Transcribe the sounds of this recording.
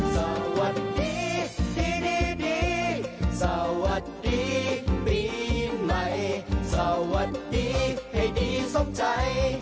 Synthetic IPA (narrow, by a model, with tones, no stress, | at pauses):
sa˧˩wa˨˩t̪̚diː˨˧diː˨˧diː˨˧diː˨˧sa˧˩wa˨˩˦t̪̚diː˨˧piː˨˩na˨˧jsa˧˩wa˧˦t̪̚diː˨˧ha˨˩jdiː˨˧˩so˧˥mt͡ɕa˧j